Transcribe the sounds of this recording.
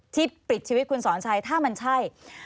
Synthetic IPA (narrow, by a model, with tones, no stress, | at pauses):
t̪ʰi˦˥˩pɾi˨˩t̪̚t͡ɕʰiː˧wt̪̚kʰu˧nsɔː˩˦nt͡ɕʰa˧jt̪ʰaː˥˩ma˧nt͡ɕʰa˥˩j